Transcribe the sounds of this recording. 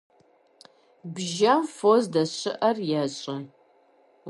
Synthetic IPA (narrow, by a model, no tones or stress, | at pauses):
bʒawfozdɐɕɪʔɐrjɛɕʼɐ